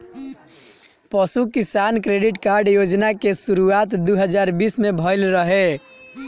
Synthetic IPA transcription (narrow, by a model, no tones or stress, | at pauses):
pəsukisankɾeɖiʈkaɾɖjod͡ʒnakesuɾuat̪d̪uɦəd͡ʒaɾbismebʱəɪlɾəɦe